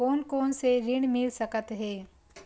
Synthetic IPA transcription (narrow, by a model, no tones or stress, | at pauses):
oːnkoːnseɾɪɳmɪlsəkət̪ɦɛː